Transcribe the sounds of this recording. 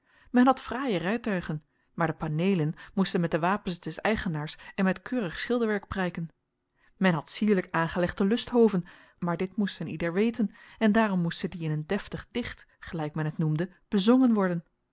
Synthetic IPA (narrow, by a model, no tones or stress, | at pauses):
mɛnɦɑtfraːjərɛjtœɥχən | maːɹdəpanejlənmustənmɛt̚dəʋaːpənsdɛsɛjχənaːɹsɛnmɛtkʰøːrəχsχɪlˠdəɹʋɛɹk̚prɛjkən | mɛnɦɑtsiːɹləkaːnχəlɛχdəlɵstɦowvən | maːɹdɪtmustənidəɹʋejtənɛndaːrɔmːustədiɪnɦəndɛftəχd̥ɪχt | χəlɛjkmɛnɦətnumdə | b̥əzɔŋənʋɔɹdən